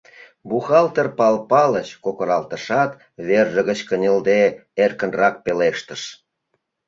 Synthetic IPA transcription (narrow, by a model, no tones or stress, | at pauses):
buxɑlt̪ərpɑlpɑlət͡ɕkokoɾɑlt̪ə̆ʃɑt̪ | βerʒə̆ɣə̆t͡ɕkənʲə̆ld̪eerkənrɑk̚peleʃt̪ə̆ʃ